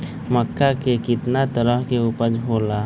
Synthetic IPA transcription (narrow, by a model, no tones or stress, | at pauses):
məkːakekɪt̪nat̪əɾəɦkeupəɾd͡ʒɦoːla